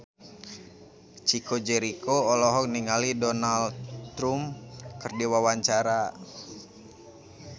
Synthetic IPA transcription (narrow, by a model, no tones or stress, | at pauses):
t͡ʃikod͡ʒɛɾikoɔlɔɦɔk̚niŋalidɔnalt̪ɾumkɨrdiwawaɲt͡ʃaɾa